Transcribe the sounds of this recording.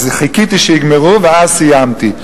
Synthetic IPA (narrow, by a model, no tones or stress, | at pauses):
zχikit̪iʃɛiɡmeʁuvɛazsijamt̪i